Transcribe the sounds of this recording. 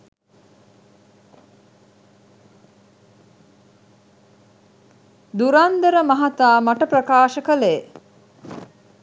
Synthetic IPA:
d̪uɾand̪əɾəmaɦat̪aːmaʈəprɐkaːʃəkəlej

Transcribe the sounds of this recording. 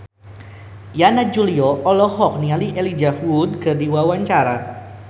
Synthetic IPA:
janad͡ʒuliɔʔɔlɔhɔk̚nialiʔelid͡ʒafud̚kərdiwawaɲt͡ʃaɾa

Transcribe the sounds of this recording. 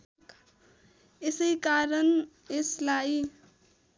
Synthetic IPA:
esəikaɾən | eslai

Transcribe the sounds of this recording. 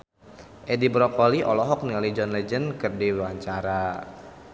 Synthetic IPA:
ʔɛdibɾɔkɔliʔɔlɔɦɔk̚nialid͡ʒɔnlɛd͡ʒənkɨrdiwaɲt͡ʃaɾa

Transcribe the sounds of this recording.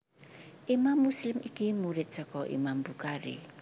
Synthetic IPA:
ʔimamːuslɪmʔikimuɾɪt̪̚sɔkɔʔḭmambukaɾḭ

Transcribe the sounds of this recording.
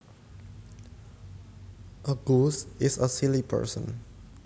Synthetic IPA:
ʔəɡusɪsəsilipʰə̰ɹsə̰̃n

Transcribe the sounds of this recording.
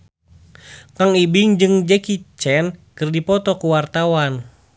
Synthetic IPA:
kaŋibiŋd͡ʒɨŋd͡ʒɛkit͡ʃɛnkɨrdipɔt̪ɔkuwart̪awan

